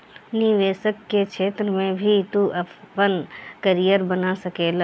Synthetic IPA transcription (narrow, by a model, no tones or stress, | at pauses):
niʋeːsəkːekʃʰeːt̪ɾəmẽbʱit̪uʔəpənkəɾijəɾbənasəkeːla